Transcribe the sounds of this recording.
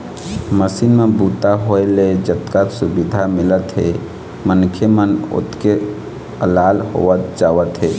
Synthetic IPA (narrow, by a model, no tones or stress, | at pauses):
məsiːnmẽbuːt̪aɦoeled͡ʒət̪kat̪sʊbɪd̪ʱamɪlət̪ɦe | mənkʰjemənʊ̰t̪ke | əlaːlɦo̰ət̪̚d͡ʒaːʋət̪ɦeː